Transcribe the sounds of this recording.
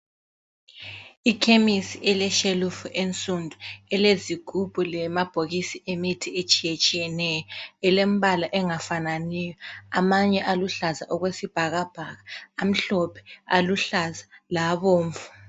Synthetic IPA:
ikʰemisiʔɛlɛʃelufuʔent͡sʼundʱuɛleziɡ̥ʱub̥ʱulɛmab̥ʱoɣisiemitʰiet͡ʃʼijet͡ʃʼijɛnɛjɔɛlem̩βalaʔɛŋafananijɔamaɲɛʔaluɬaza̰ʔɔɣwesib̥ʱaɣab̥ʱaɣaːm̩ɬɔpʰɛ̥aluɬazḁlaβoːɱfu̥

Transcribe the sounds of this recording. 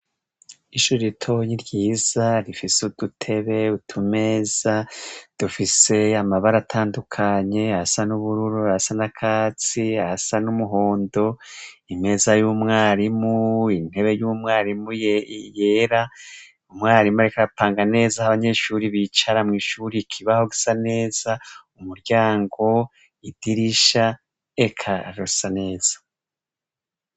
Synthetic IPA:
iʃuːɾiɾitʰo̞ɲiɾɟiːz̥aɾifisud̥utʰe̞βe̞utʰume̞ːz̥ad̥ufise̞amaβaɾatʰaːndukʰaɲe̞ahasanuβuɾuɾuahasanakʰaːt͡siahasanumuɦo̞ːndo̞ | ime̞zajumŋaːɾimuin̥he̞βe̞jumŋaːɾimujjeːɾa | umŋaːɾimaɾekaɾapaːŋɡane̞ːzahaβaɲe̞ʃuɾiβit͡ʃaɾamŋiːʃuːɾikʰiβaho̞ɡisane̞ːzaumuɾɟaːŋɡo̞ | id̥iɾiʃa | ekʰaɾusane̞ːz̥ḁ

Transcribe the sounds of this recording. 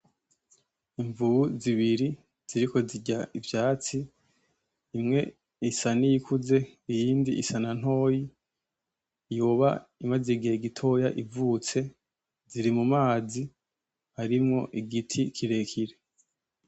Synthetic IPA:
iɱvuuziβiɾi | z̥iɾiko̞ziɟaivjaːt͡siː | mŋe̞ | isanijikʰuze̞ijiːndiisanan̥ho̞ːji | juːβa̰imŋazeɡieɡitʰo̞jaʔivuːt͡se̞ | ziɾimumaːzi | haɾimŋo̞ʔiɡitʰikʰiɾe̞kʰiɾe

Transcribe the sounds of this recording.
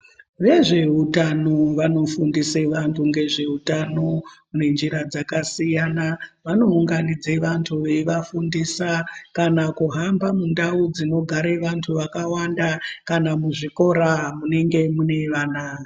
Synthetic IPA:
ʋe̞ʐe̞ɦutanoʋano̞fundiseʋantʰuŋɡe̞ʐe̞ɦutano̞ | une̞nd͡ʒiɾad͡zakasijanaʋano̞uŋɡanid͡ze̞ʋantʰuʋeʋafundisakanakuɦambamundaud͡zino̞ɡʱaɾeʋantʰuʋakawandakanamuʐiko̞ɾamune̞ŋɡe̞mune̞ʋanaːi

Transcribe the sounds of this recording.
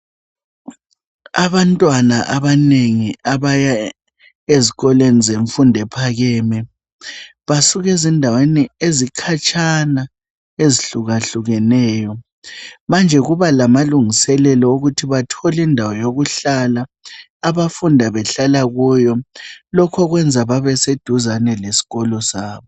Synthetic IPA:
aβantʼwanaʔaβaneŋiaβaja | eziɣɔlenizeɱfundʱɛpʰaɣɛmɛ | βasuɣɛzindʱaweniezikʰat͡ʃʼana | eziɬuɣaɬuɣɛnɛːjɔ | mand͡ʒʱɛɣuβalamaluŋisɛlɛlɔuɣutʰiβatʰɔlindʱawɔjoɣuɬalaː | βafundʱaβɛɬalaɣujɔlɔkʰɔɣwɛnd͡zʱaβaβɛsed̥ʱuzanɛlesi̥ɣɔlɔsaːβɔ

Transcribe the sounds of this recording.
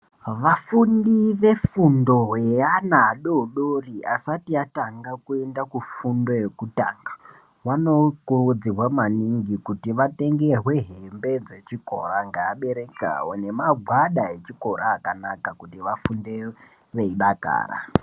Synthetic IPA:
ʋafundiʋe̞fundo̞ɦeanaːɗouɗoriasatiataŋɡakue̞ndakufundo̞je̞kuta̰ŋɡa | wano̞kurud͡zirwamaniŋɡikutiʋate̞ŋɡe̞rwe̞ɦembe̞d͡ze̞t͡ʃiko̞̰ɾaŋɡaːɓe̞ɾeka̰wone̞maɡʱwaɗae̞t͡ʃiko̞ɾʔaːkanakakutiʋafunde | ʋe̞iɗaka̰ːɾa̰

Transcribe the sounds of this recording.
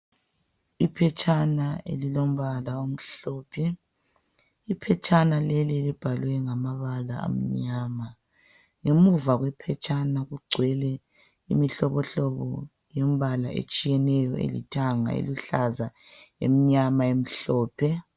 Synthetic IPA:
ipʰɛt͡ʃʼanaḛlilom̩βalaom̩ɬɔːpʰɛ | ipʰɛt͡ʃʼanalelielib̥ʱalwɛŋamaβalaa̰m̩ɲaːma | ŋemuvaɣwɛpʰɛt͡ʃʼanaɣuɡ͡ǀʱwɛlɛ | ḭmiɬɔβɔɬɔβɔ̰ | jɛm̩βalaʔḛt͡ʃʼijɛnɛjɔḛlitʰʼaŋa̰ḛluɬaza | ḛm̩ɲamaem̩ɬɔːpʰɛ

